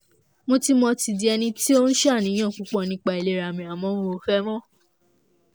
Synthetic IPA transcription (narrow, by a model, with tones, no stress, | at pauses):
mo˧ti˦mɔ̃˧ti˧di˧ɛ˧nĩ˧ti˦o˦n̩˦ʃa˦˨nĩ˨˦ã˦˨k͡pu˨˦k͡pɔ̃˦˧˨nĩ˨˦k͡pa˧i˨le˦ɾa˨mĩ˧˨a˨mɔ̃˨˦õ˦˧o˧fɛ˦mɔ̃˦